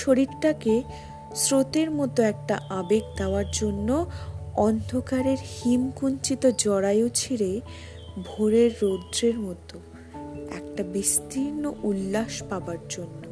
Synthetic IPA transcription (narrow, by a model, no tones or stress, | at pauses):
ʃoɾiɾʈake | sɾot̪eɾmɔt̪oɛk̚ʈaʔabekd̪eoaɾd͡ʑonːoɔnd̪ʱokaɾeɾhimkunt͡ɕit̪od͡ʑɔɾajot͡ɕʰiɾe | bʱoɾeɾːod̪ɾeɾmɔt̪o | ɛ̰k̚ʈabist̪iɾnoʔulːaʃpabaɾd͡ʑonːo